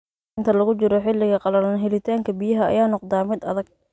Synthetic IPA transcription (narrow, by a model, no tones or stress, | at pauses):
nt̪ʰɐlɐɣʊt͡ʃɪɾɔħɪlːɪɣɐqɑlɐlɐnɦɛlɪt̪ʰaːŋkʰɐbijɐɦɐɐ̰jaːnɔqd̪aːmɪd̪ɐ̰ðɐɡ̚